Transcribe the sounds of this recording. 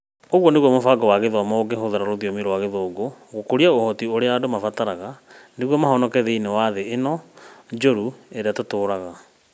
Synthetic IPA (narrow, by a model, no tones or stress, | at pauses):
oɣwɔneɣwɔmofaɡɔwaɣeðɔmɔoɡeɦoðaɾaɾoðiɔmiɾɔwaɣeðoːɡoɣokoɾiaohɔtioɾeaːdomafataɾaɣaneɣwɔmahɔnɔkɛðeinewaðeːnɔd͡ʒoɾueɾeatotoːɾaɣa